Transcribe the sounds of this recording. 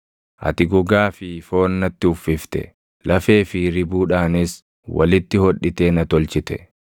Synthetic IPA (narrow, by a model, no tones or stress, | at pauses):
ʔɐ̰t̪ɪɡɔɡaːfɪfo̞ːnːɐt̪ːɪʊfːɪft̪ɛ̰ | lɐfe̞ːfɪɾɪbuːᶑaːnɪs | wɐ̰lɪt̪ːɪhɔᶑːɪt̪e̞ːnɐt̪ɔlt͡ʃɪt̪ɛ